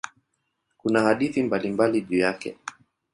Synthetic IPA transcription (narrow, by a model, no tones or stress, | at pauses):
kunahaɗiθimbalimbaliʄujakɛ̰